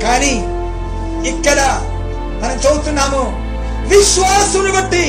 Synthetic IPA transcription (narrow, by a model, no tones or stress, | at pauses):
kaːni | ikːɐɽɐ | mɐnɐmt͡ʃoːɽut̪unːaːmu | ʋiʃʋaːsɐunibɐʈːi